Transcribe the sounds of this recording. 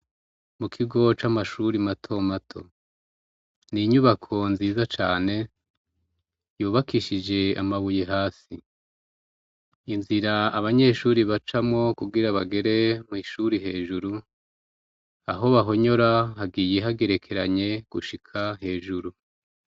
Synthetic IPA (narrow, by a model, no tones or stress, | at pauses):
mukʰiɡo̞t͡ʃamaʃuɾimatʰo̞matʰo̞̰ | niɲuβakʰo̞nziːzat͡ʃaːne̞ | juːβakiʃid͡ʒe̞a̰maβujeɦaːsi | nziɾaaβaɲe̞ːʃuɾiβat͡ʃamŋo̞kuɡiɾaβaɡe̞ɾe̞miʃuɾiɦe̞ːʒuɾu | aɦo̞βaɦo̞ɲo̞ɾahaɡiːje̞ɦaɡe̞ɾe̞kʰe̞ɾaɲe̞ɡ̥uʃikʰaɦe̞ːʒuɾu